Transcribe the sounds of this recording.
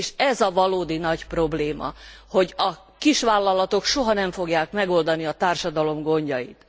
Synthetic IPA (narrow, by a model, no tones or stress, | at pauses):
ʃɛzɒvɒloːd̪inɒcpro̞bleːmɒ̰ho̞ɟɒ | kiʃʋaːlːɒlɒt̪o̞kʃo̞ɦɒnɛɱfo̞ɡjaːkmɛɡo̞ld̪ɒniɒt̪aːrʃɒd̪ɒlo̞mɡo̞ɲɟɒjḭt̪